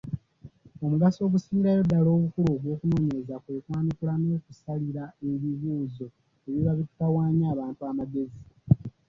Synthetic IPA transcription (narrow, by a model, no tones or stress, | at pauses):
o̞muɡaso̞ːβusiiɾajo̞dːalo̞ːβukuluβwo̞ːkuno̞ːɲe̞ɾezakwe̞ːkwaːnikulanoːkusaliɾae̞βiβuːzo̞ | eβiβaβitu̥tawaːɲaːβaːntuamaɡe̞zi